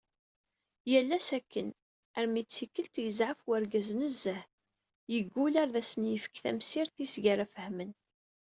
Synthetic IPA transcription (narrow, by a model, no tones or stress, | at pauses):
jælːæsækːən | æɾmit͡sːikːəlt̪jəzʕəfwæɾɡæznəzːəh | jəɡːulæɾðæsənjəfə̥kθæ̰msiɾθisʝæɾæfəhmən